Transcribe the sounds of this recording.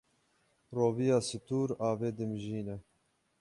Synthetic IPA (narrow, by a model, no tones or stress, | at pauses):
roːvijɑːsɨt̪uːɾaːveːd̪ɨmʒiːnɛ